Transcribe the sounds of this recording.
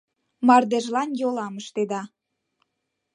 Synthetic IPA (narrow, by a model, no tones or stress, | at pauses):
mɑrd̪eʒlɑnjolɑməʃt̪ed̪ɑ